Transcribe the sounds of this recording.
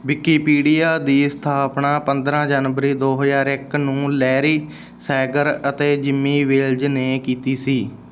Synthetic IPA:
ʋɪkiːpiːɖiːjaːd̪iːsə̥t̪ʰaːpɳaːpənd̪ɾãːd͡ʒaːnʋəɾiːd̪oːɦəzaːɾɪknũːlɛːɾiː | sɛːɡəɾət̪eːd͡ʒɪmːiːʋɪld͡ʒneːkiːt̪iːsiː

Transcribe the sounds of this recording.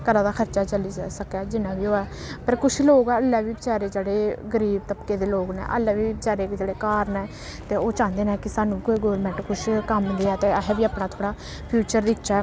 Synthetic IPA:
kəɾãːd̪aːkʰəɾt͡ʃaːt͡ʃəliːd͡ʒaːsəkɛːd͡ʒɪnãːbiːoːɛː | pəɾkʊʃʰloːɡɛːəlːaːʋiːbət͡ʃaːɾeːd͡ʒeːɽeːɡəɾiːb̚t̪əpkeːd̪eːloːɡnɛ̰̃ːʔə̰lːaːʋiːbət͡ʃaːɾeːkd͡ʒeːɽeːkaːɾnɛː | t̪eːoːt͡ʃãːnd̪eːnɛ̃ːkɪsaːnũːkoːiːɡoːɾmɛ̃ɳʈkʊʃʰkəmd̪eːɛːt̪eːəɦɛːbiːaːpnaːt̪ʰoːɽaː | pʰjuːt͡ʃəɾd̪ɪkt͡ʃaː

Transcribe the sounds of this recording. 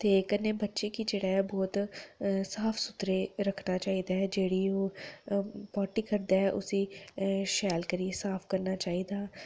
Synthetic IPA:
t̪eːkənːeːbətːʃeːkid͡ʒeːɽaːɛbɔːt̪saːpʰsʊt̪ɾeːɾəkʰnaːt͡ʃaːiːd̪aːɦɛːd͡ʒeːɽiːoː | pɔːʈiːkəɾd̪aːɛʔʊsiːʃɛːlkəɾieːsaːpʰkəɾnaːt͡ʃaːiːd̪aː

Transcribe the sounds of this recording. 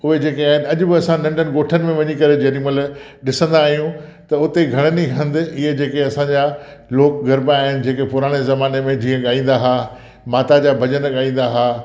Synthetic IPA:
ʊɦed͡ʑeːkeaːɦɪnɪ̆ɐʄʊ̆bɪɐsãnɐ̃ɳɖənɪ̆ɠoːʈʰənɪ̆mẽʋɐɲikɐɾed͡ʑɐniməl | ɗɪsə̃nd̪aːɦijũt̪ɐʊt̪eɡʱɐɽ̃ənixɐ̃nd̪ɪɪɦed͡ʑeːkeɐsãɲd͡ʑaloːkɡɐɾbaaːɦɪnɪ̆d͡ʑeːkepʊɾaːɽ̃ezɐmaːnemẽd͡ʑiːə̃ɠaːĩːn̆d̪aɦaː | maːt̪ad͡ʑaːbʱɐʄənɠaːĩːn̆d̪aɦaː

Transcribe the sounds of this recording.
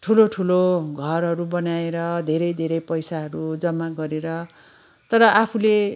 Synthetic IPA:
ʈʰuloʈʰuloɡʱʌrɦʌɾubʌnaeɾʌd̪ʱeɾʌjd̪ʱeɾʌjpʌjsaɦʌɾud͡zʌmːaɡʌɾeɾʌ | t̪ʌɾʌʔapʰule

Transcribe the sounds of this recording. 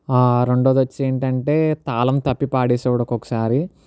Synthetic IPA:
aːɾeɳɖoːd̪ʋɐt͡ʃːeːɳʈɐɳʈe̞ːt̪aːlɐmt̪ɐpːipaːɽiːsɛːʋɐɽɐkɔkɐ̥saːɾi

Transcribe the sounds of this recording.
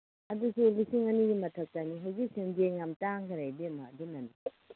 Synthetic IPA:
ɐdusulisiŋɐniɡimɐtʰɐk̚taniɦawzik̚senzeŋamtaŋɡɐɾajbiɐmɐːdunɐni

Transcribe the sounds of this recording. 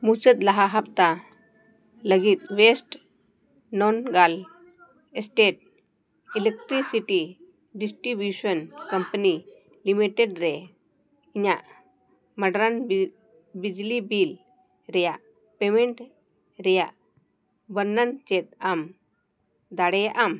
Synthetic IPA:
mut͡ʃət̪̚laɦaɦap̚t̪a | ləɡit̪̚ʋesʈ | nɔnɡal | esʈeʈ̚ | ilek̚ʈɾisiʈi | ɖisʈɾibjusənkəmpəni | limiʈɛɖɾɛ | iɲaʔ | məɖɾan | bid͡ʒlibil | ɾɛjaʔ | pemɛɳʈ | ɾɛjaʔ | bənːənt͡ʃɛt̪̚am | d̪aɽɛjaʔam

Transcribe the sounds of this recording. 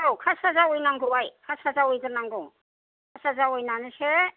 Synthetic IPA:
awkʰasazawɔjnaŋɡuwajkʰasazawɔjzɯnaŋɡɔŋ | kʰasazawɔjnanɯsʰe

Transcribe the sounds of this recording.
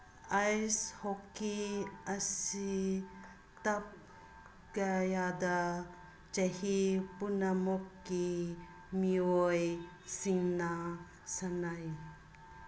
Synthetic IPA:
ajshokːiasi | t̪ɐp̚ | ɡajada | t͡ʃahipunamɔkːi | mioj | siŋna | sanaj

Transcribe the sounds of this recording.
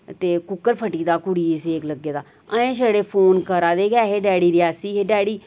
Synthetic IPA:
t̪eːkʊkːəɾpʰəʈiːd̪aːkʊɽiːsekləɡːeːd̪aː | əẽːʃəɽeːpʰoːnkəɾaːd̪eːɡɛːɦeːɖɛːɽiːɾɪjaːsiːɦeːɖɛːɽiː

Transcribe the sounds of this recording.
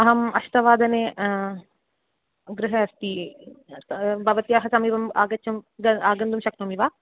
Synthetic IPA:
ɐɦɐmɐʃt̪ɐʋaːd̪ɐneː | ɡɾɪɦɐɐst̪i | bɐʋɐt̪ijaːɦɐsɐmiːʋɐmaːɡɐt͡ʃːɐmɡɐaːɡɐnd̪umʃɐkt̪ɐmiʋaː

